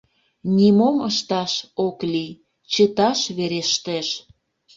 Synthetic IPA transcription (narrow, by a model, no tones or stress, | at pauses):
nʲimoməʃt̪ɑʃoklij | t͡ɕət̪ɑʃβeɾeʃt̪eʃ